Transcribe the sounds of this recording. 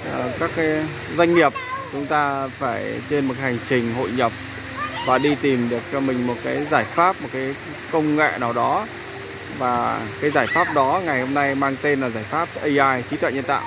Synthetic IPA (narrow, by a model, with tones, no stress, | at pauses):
ʔə˨˩kaː˦˥k̚ːaː˨˦j | zwa˧jŋ̟ŋi˨˩əp̚t͡ɕʊ˨˦ŋ͡mt̪aː˧faː˧˩jt͡ɕe˧nmo˨˩ka˨˦jha˨˩ŋ̟t͡ɕï˨˩ŋ̟ɦo̰˧˨jɲə˨˩p̚ | vaː˨˩ɗi˧t̪i˨˩mɗɨ˨˩ək̚t͡ɕmï˨˩ŋ̟mo˨˩t̚kaː˨˦jzaː˧˩jfaː˦˥p̚mo˨˩t̚kaː˨˦j | kə˧wŋ͡mŋa̰ː˧˨naː˨˩wɗɔ˨˦ | vaː˨˩kaː˨˦jzaː˧˩jfaː˦˥p̚ɗɔ˨˦ŋa˨˩jho˧mna˧jmaː˧ŋt̪e˧nlaː˨˩zaː˧˩jfaː˦˥p̚ʔə˧jʔaː˧jt͡ɕi˨˦t̪ʰwɛ̰˧˨nɲə̰˧˨nt̪a̰ː˧˨